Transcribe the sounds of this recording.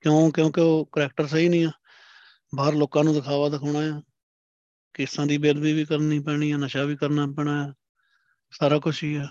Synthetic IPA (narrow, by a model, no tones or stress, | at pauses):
kjõːkjõːkeoːkəɾɛːk̚ʈəɾsəɦiːnĩːaː | baːɾloːkãːnũːd̪ɪkʰaːʋaːd̪əkʰːɳaːjɛː | kɪsãːd̪iːbeːd̪biːʋiːkəɾniːpɛːɽ̃iːɛːnəʃaːʋiːkəɾnaːpɛːɳaːɛː | saːɾaːkʊʃʰiːɛː